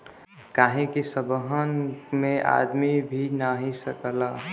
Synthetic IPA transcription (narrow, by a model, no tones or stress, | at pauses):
kaːɦĩkisəbəɦənmẽʔa̰d̪mibʱinaɦisəkəla